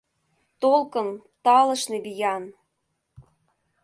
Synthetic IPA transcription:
t̪olkɤ̆n | t̪ɑlɤ̆ʃnebijɑn

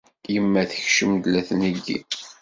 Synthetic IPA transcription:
jəmːæθə̥çʃəmd̪læθnəɡːḭ

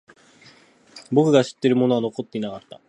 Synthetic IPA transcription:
bo̞kɯ̟ɡaɕi̥t̪ːe̞ɾɯ̟mo̞no̞ano̞ko̞t̪ːe̞inakat̪ːa

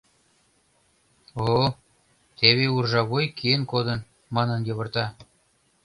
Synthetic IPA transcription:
o | t̪eβeurʒɑβojkienkod̪ən | mɑnənjɤβə̆rt̪ɑ

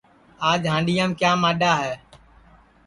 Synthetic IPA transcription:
aːd͡ʒɦãːɳɗijãːmkjaːmaːɗaːɦɛː

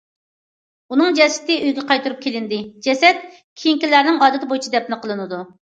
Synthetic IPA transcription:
unɨŋd͡ʒɛsɪ̥t̪ɪʔøjɡʲɛqʰɑjt̪uɾup̚kʲʰelɪnd̪ɪd͡ʒɛsɛt̪̚ | kʲʰijiŋkʲilæɾnɪŋɑːd̪ɨt̪ʰɪbojt͡ʃʰid̪ɛp̚nɨqʰəlˠɨnɨd̪u

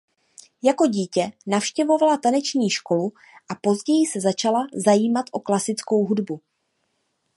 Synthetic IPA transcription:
jako̞ɟiːcɛnafʃcɛvo̞valat̪anɛt͡ʃɲiːʃko̞lu | ʔapo̞zɟɛjɪsɛzat͡ʃalazajiːmat̪ʔo̞klasɪt͡sko̞wɦudbu

